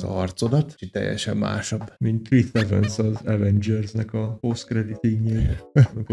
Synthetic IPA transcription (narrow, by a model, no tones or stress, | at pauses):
zɒ̰rt̪so̞d̪ɒt̪t͡ʃik̚t̪ɛ̰jːɛ̰ʃɛmːa̰ːʃobːmint̪ːrit̪ɛvɛ̰nsɒzɛvɛnd͡ʒɛrznɛkɒposkrɛd̪it̪iɡɲeːlik